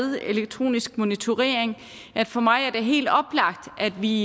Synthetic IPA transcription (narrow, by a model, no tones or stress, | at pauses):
ðˠe̝leɡ̥̚t͡sʰʁo̝̰ːnisɡ̥mo̝nit͡sʰo̝ʁḛːɐeŋ | æd̥fɒ̽mɑ̈ɪæɐd̥e̝ɦe̝̰ːld̥ɒ̽b̥lɑ̈ɡ̥̚d̥æd̥ʋi